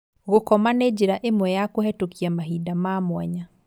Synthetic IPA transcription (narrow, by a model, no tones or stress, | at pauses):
ɣokɔmaned͡ʑiɾaʔemwɛjakohɛtokiamaɦidamaːmwɛɲa